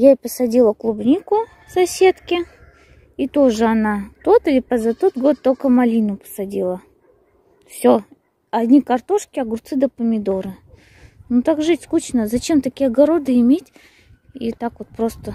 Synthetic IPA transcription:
japəsɐdʲilˠəklˠubnʲikʊ | sɐsʲe̞t̪kʲɪ | it̪o̞ʐɨɐnat̪o̞t̪ɨlʲɪpəzat̪o̞t̪̚ɡo̞t̪ːolkəmɐlʲinʊpə̥sɐdʲilˠə | fsʲo | ɐd̪ʲnʲikɐrt̪o̞ʂkʲɪɐɡʊɾt̪sɨd̪əpəmʲɪd̪o̞ɾɨ | nut̪akʐɨtʲskut͡ɕnəzɐt͡ɕe̞mt̪ɐkʲijɐɡɐɾo̞d̪ɨɪmʲetʲ | it̪akvot̪̚pɾost̪ə

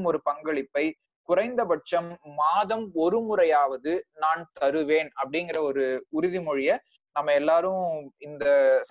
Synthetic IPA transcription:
mɔɾɯpɐŋɡɐɭɪpːɐɪ | kʊrɐɪnd̪ɐbɐʈ̚t͡ʃɐmːaːðɐmɔɾɯmʊrɐjaːʋɐðɯnaːnt̪ɐɾɯʋeːnɐpːɐɽɪnɡɪrɐɔɾɯʊɾʊðimɔɻɪjɐ | nɐmːɐɛlːaːɾɯ̃mɪnd̪ɐ

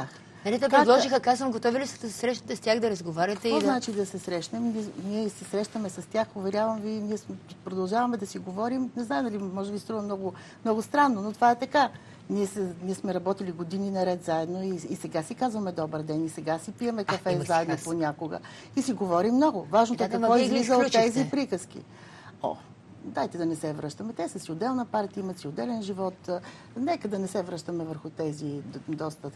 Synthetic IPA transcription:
ax | ɛnɛt̪ɛpɾɛd̪lˠɔʒixəkazvəmɡot̪ɔvilisəd̪ɐsɛ̥sɾɛʃnət̪ɛstʲjaxd̪ɐɾɐzɡovaɾʲɐkt̪ɛvɔznat͡ʃid̪ɐsɛsɾɛʃnɛmniniɛsɛsɾɛʃt̪ɐmɛsɐst̪ʲjaxovɛɾʲjavɐmviniɛspɾod̪ɐlˠʒavɐmɛd̪ɐsiɡovɔɾimnɛznajnɐlimɔʒɛbisɛt̪ɾuvɐmnɔɡʊ | mnɔɡʊst̪ɾanːonot̪ovaɛt̪ɐka | niɛsɛniɛsmɛɾɐbɔt̪iliɡod̪ininɐɾɛt̪zaɛd̪noiːsɛɡasikazvɐmɛd̪ɔbəɾd̪ɛnisɛɡasipiəmɛkɐfɛzaɛd̪noponʲakoɡə̰ | isiɡovɔɾimnɔɡʊvaʒnot̪okɐkvvɔizvlizəot̪ːɛzipɾikəskḭ | ɔ̰ | d̪ajt̪ɛd̪ɐnɛsɛvɾəʃt̪əmɛt̪ɛsəsiod̪ɛlˠnəpaɾt̪iəimɐt̪siod̪ɛlɛnʒivɔt̪ | nɛkəd̪ɐnɛsɛvɾəʃt̪əmɛvəɾxʊt̪ɛzid̪ɔst̪ə

